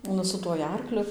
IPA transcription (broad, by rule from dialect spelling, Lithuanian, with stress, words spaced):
ˈnʊ sʊ tuɔj ˈɐrklʲʊ